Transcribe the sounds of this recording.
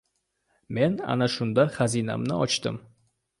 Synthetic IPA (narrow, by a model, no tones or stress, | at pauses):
me̞na̰naʃʊnd̪aχazina̰mnɪɒt͡ʃt̪ɪ̰m